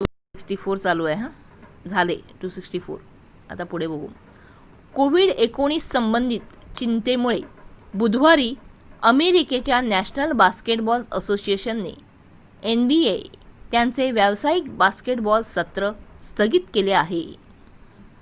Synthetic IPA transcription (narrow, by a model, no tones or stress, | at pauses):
ʈu | iksʈiːfoɾt͡saluːaɦã | d͡zʱalḛʈusiksʈiːfo̰ɾ | a̰t̪apuɽ̤ebəɡṵːm | koʋiːɽekoɽ̃iːsːəmbənd̪ʱiːt̪t͡ɕint̪emuɭebud̪ʱʋaɾiːəmeɾiket͡ɕjanæɕnəlbaskeʈbɔlsəsosieɕənːḛ | enbiet̪jant͡seʋjaʋsaikbaskeʈbɔlssət̪ɾəst̪ʰəɡit̪keleaɦe